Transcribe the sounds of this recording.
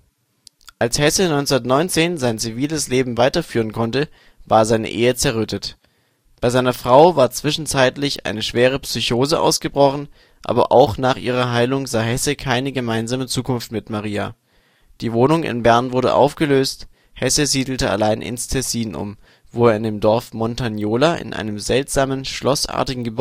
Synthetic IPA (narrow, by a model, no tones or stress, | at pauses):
ʔalshɛsənɔʏnt͡sʊnɐtnɔʏnt͡seːnzaɪnt͡siviːləsleːbm̩vaɪtɐfyːʁ̞ənkʰɔntə | vaːɐzaɪnə̰ʔeːət͡sɛɐʁʏtʰət | b̥aɪzaɪnɐfʁ̥aʊvaːɐt͡sv̥ɪʃn̩t͡saɪtlɪçʔa̰ɪnəʃv̥eːʁ̞əpsyçoːzəʔa̰ʊsɡ̥əbʁɔχn̩ | ʔa̰ːbɐ̰ʔa̰ʊxnaːχʔiːʁ̞ɐɦaɪlʊŋzaːɦɛsəkʰaɪnəɡəmaɪnzaːmət͡suːkʰʊnftmɪtmaʁiːa̰ | d̥iːvoːnʊŋʔɪ̰nbɛɐnvʊɐdə̰ʔa̰ʊfɡ̥əløːst | hɛsəziːdl̩təa̰laɪnʔɪ̰nstʰɛsiːnʔʊ̰m | voːeːɐɪndeːmdɔɐfmɔntanjoːlaʔɪ̰nʔa̰ɪnəmzɛltz̥aːmənʃlɔsʔa̰ːɐtɪɡŋ̩ɡəb